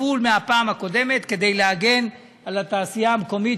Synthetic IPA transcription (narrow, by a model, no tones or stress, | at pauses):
ulmeapaːmhako̞d̪e̞me̞t̪ke̞d̪ejleaɡe̞n | alat̪aːsijaːmko̞mi